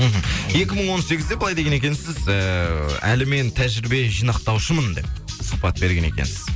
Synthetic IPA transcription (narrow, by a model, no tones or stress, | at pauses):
m̩ɦm̩je̞kʲɪməɴwo̞nse̞ɡʲɪzd̪e̞bəlˠɑjd̪e̞ɡʲene̞kʲe̞nsɪzəæ̰lɪme̞nt̪ʰæʒɪɾɪbe̞ʒijnɑqt̪ɑwʃəmənd̪e̞p̚səq̚pɑt̪̚be̞ɾɡʲe̞nekʲe̞̰nsɪ̥z